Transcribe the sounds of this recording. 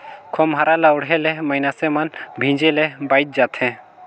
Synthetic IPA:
kʰɔmɦaɾalauɽɦɛlɛməjnasɛmanbʱĩd͡ʒɛlɛbajt̪̚d͡ʒat̪ʰɛ̃

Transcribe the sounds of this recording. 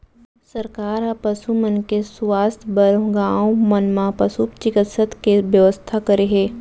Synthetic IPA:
səɾkaːɾapəsumənkeswaːst̪ʰbɐɾõɡaːõmənmãpɐsut͡ʃɪkɪt̪sət̪ʰkeʋjəʋəst̪ʰakəɾeɦeː

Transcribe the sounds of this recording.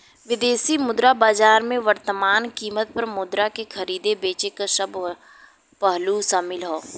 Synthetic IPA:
ʋɪd̪eːsimʊd̪ɾabaːd͡ʒaːɾmẽʋəɾt̪əmaːnkiːmət̪̚pɐɾmʊd̪ɾakexɐɾiːd̪ebeːt͡ʃekaʃɐb | pəɦlusaːmɪlɦoː

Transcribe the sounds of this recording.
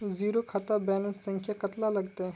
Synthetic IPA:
ziːɾokʰɐt̪abɛnəssɐ̃ŋkʰjakɐt̪lalɐɡt̪e

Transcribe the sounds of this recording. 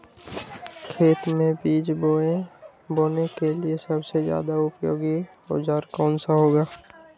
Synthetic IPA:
kʰeːt̪mẽbiːd͡ʒboːẽ | boːnekeliesəbsezja̰ːd̪aʊpjo̰ːɡi | o̰d͡ʒaːɾkɔːnsaɦoːɡaː

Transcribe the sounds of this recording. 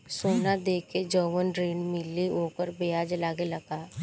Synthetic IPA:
soːnad̪eːked͡ʒəːwənɾeːɳmɪlioːkəɾbejaːd͡ʒlaːɡelɐɡaː

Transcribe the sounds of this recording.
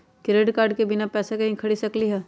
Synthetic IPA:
kɪɾeːɖkaːɾɖkebɪnapɛːsekɐɦĩkʰɐɽisɐkliɦɛː

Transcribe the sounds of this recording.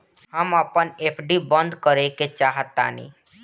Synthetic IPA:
ɦəməpəneːpʰɖibə̃nd̪kəɾeket͡ʃaːɦət̪ːa̰ːnḭː

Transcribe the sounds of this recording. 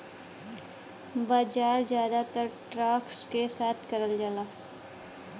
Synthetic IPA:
baːd͡ʒaːɾzjaːd̪at̪əɾʈɾaːkskesaːt̪ʰkɐɾəld͡ʒalaː

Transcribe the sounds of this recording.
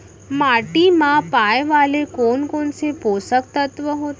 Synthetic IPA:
maʈimãpajʋalekonkoɳseposək̚t̪ət̪ʋəɦot̪

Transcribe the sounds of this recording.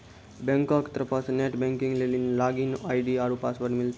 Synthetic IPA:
bə̃ŋkakt̪ɾəpasneʈbɛ̃ŋkiŋɡlelinlaɡinajɖiaɾupasʋəɾʈmilt̪

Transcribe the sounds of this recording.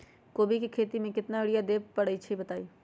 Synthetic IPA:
koːbʱikikʰeːt̪imẽkɪt̪naɪɽijad̪eːppɐɽəit͡ʃʰibɐt̪aːiː

